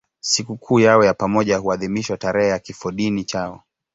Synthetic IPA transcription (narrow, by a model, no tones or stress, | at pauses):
sikukʰuːjaɔjapamɔʄahuaðimiʃwataɾɛhɛjakifɔɗinit͡ʃaɔ